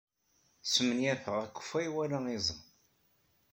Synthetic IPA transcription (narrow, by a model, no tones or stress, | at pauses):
smənjæθəʁækʷːə̥fæjwælaizˤən